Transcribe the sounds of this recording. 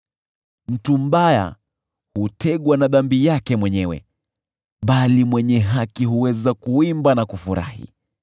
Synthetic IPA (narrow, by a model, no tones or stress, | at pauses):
m̩tum̩ɓaja̰ | hutɛɠwanaðambijakɛmwɛɲɛwɛ̰ | ɓalimwɛɲɛɦakiɦuwɛzakuimbanakufuɾa̰hḭ